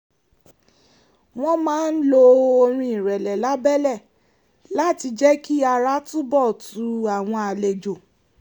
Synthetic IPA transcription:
w̃ɔ̃˦mãː˦n̩˦lo˧o˧ɾ̃ĩ˧ĩ˨ɾɛ˨lɛ˨la˨˦bɛ˦lɛ˦˨ | la˨˦˨ti˧d͡ʒɛ˦ki˦a˧ɾa˦tũ˦bɔ˦˨tu˨˦a˨w̃ɔ̃˧a˨le˨d͡ʒo˨

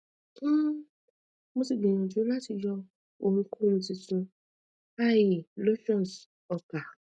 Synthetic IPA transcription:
mo˧si˨ɡ͡bĩ˨j̃ɔ̃˨d͡ʒũ˨˦la˦ti˧jɔ˧ | o˧mĩ˧kõ˦˨˦ũ˧ti˧sũ˧ | a˦ji˨lo˦ʃɔ̃˦˨s | ɔ˨ka˨

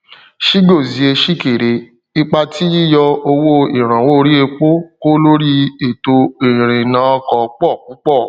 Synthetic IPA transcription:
ʃi˦ɡo˦˨zi˨˧e˧ʃi˦ke˨ɾe˧ | i˧k͡pa˧ti˦ji˦jɔ˧o˧wo˦i˦˨ɾ̃ã˨wo˦˧ɾi˦e˧k͡po˦ko˦lo˦ɾi˦e˨to˧e˨ɾ̃ĩ˨nã˨˦ɔ˧kɔ˧k͡pɔ˦˨kũ˨˦k͡pɔ˦˨

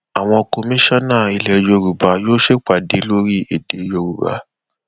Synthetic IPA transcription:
a˨w̃ɔ̃˧ko˧mĩ˦ʃa˦nãː˦˨i˧lɛ˨jo˧ɾu˨ba˨˦joː˦ʃe˦k͡pa˨de˨˦lo˦ɾi˦e˨de˨˦jo˧ɾu˨ba̰˨˦

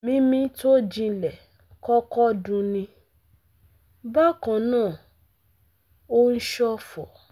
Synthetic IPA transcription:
mĩ˧˦mĩ˧to˦d͡ʒĩ˧˨lɛ˨ | kɔ˦kɔ˦dũ˧nĩ˧ | ba˦kã˨nãː˦˨ | o˦n̩˦ʃɔ˦fɔ˨

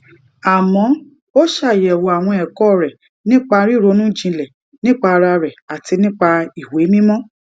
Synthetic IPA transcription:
a˨mɔ̃˨˦ | o˦ʃa˦˨jɛ˨wo˨a˨w̃ɔ̃˧ɛ˨kɔ˦˨ɾɛ˨ | nĩ˦k͡pa˧ɾi˦˨ɾo˨˧˦nũ˦d͡ʒĩ˧lɛ˨ | nĩ˦k͡pa˧ɾa˧ɾɛ˨a˨ti˧nĩ˦k͡pa˧i˨we˨˦mĩ˦mɔ̃˦

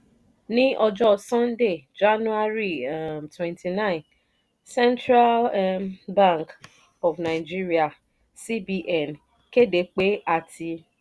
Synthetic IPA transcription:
nĩ˦ʔɔ˧d͡ʒɔ˦sɔ̃˦nde˦˨d͡ʒa˦nu˦a˦ɾi˦˨twɛ̃˨ntʰi˨nã˦ɪ̃˨n | sɛ̃˦ntɾa˦lbã˦˨ŋk | ɔ˨vnã˨d͡ʒi˦ɾi˦a˨ | si˦bi˦ʔɛ˨n | ke˦de˨˦k͡pe˦a˦tʰi˧

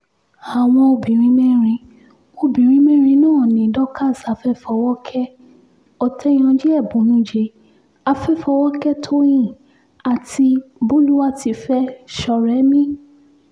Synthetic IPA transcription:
a˨w̃ɔ̃˧o˧bĩ˨ɾ̃ĩ˦me˦ɾ̃ĩ˧ | o˧bĩ˨ɾ̃ĩ˦mẽ˦ɾ̃ĩ˧nɔ̃ː˦˨nĩ˨˦dɔ˦ka˦˨sa˨˧˦fɛ˦fɔ˧wɔ˦kʰɛ˦ | ɔ˨tʰɛ˦j̃ɔ̃˧d͡ʒɛ˦ɛ˦˨bũ˨˦nũ˦d͡ʒe˧ | a˧fɛ˦fɔ˧˦wɔ˦kɛ˦tʰo˦j̃ĩ˦˨ | a˨ti˧bũ˦lu˦wa˦ti˧fɛ˦ʃɔ˨ɾɛ˨˦mĩ˦

